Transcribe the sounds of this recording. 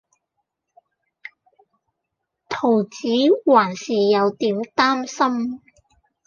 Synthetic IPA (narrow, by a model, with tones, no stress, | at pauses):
t̪ʰo˨˩wt͡siː˨˥waː˨˩nsiː˨˩jɐ˨˧wt̪iː˨˥mt̪aː˥msɐ˥m